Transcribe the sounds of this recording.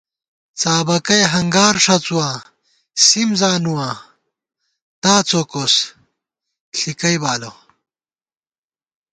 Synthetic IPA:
t͡saːbɐkɐjɦɐŋɡaːɾʂɐt͡suwã | simzaːnuwã | t̪aːt͡sokos | ɬikɐjbaːlo

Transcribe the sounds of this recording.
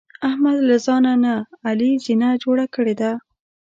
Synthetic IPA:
ahmad̪lazɑnanaːlizinad͡ʒoɽakəɽed̪a

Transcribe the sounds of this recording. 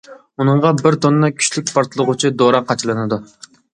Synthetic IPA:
unɨɴʁɑbɪɾt̪onɨnɨkʲʰy̥ʃlyk̚ʲpʰɑɾt̪ʰɨlˠəʁʊt͡ʃʰid̪oɾɑqːɑt͡ʃʰɨlˠɨnɨd̪u

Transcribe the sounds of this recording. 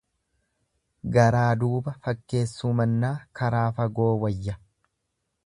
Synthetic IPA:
ɡɐɾaːd̪uːbɐfɐkːe̞ːsːuːmɐnːaːkɐɾaːfɐɡo̞ːwɐjːɐ

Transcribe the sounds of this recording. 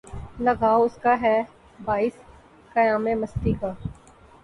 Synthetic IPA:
lɐɡʱaːoʊskaɦɛ | baːɪs | kɐjaːmẽmɐst̪ikaː

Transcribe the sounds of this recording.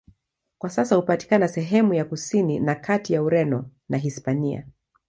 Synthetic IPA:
kwasasahupati̥kanasɛɦɛmujakusininakʰatijauɾɛnɔnaɦispania̰

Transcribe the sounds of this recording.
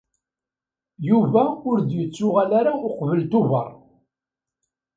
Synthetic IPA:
juvæʊɾd̪jət͡sːʊʁælaɾaʊqvəlt̪ʊvɑ̰ɾˤ

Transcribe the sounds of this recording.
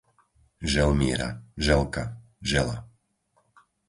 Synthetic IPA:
ʒɛlmɪɛɾa̰ʒɛlka | ʒɛla̰

